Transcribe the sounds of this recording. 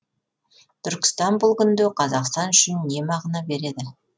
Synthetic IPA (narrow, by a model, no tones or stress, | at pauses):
t̪ʰʏɾkʲɪ̥st̪ɑnbʊlˠkʲʰʏnd̪ɪqʰɑzɑqst̪ɑnʏʃɪnːe̞mɑʁənɑbe̞ɾe̞d̪ɪ